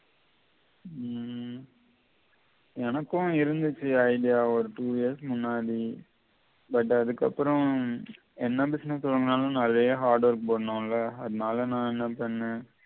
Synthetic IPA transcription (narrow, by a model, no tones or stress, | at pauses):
ɛnɐkːʊ̃ɪɾɯnd̪ɯt͡ʃːɯɐɪɖɪjaːɔɾɯʈuːiɐsmʊnːaːði | bɐʈːɐðɯkːɐpːɯɾɔ̃ | ɛnːɐbɪsnɛsːɔlːɯŋɡɐnaːlɐ̃nalːɐjɐɦaːɾɖɐɾɯkːɯpoːɽɐnõːlɐɐðɯnaːlɐnãːɛnːɐpɐɳːẽː